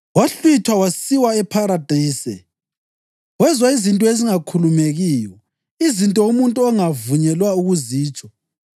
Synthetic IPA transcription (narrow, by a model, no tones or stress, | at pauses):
waɬwit͡ʃʰwawasiwaɛpʰaɾad̥ʱiːsɛ̰ | ɣwɛzwaizintʼɔeziŋakʰulumeɣiːjɔ | izintʼɔumuntʼuɔŋavuɲɛlwauɣuziːt͡ʃʼɔ̥